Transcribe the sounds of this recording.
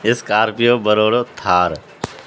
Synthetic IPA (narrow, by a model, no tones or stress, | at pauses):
ɪskaːɾpijoːbəɾoːɽoːt̪ʰaːɾ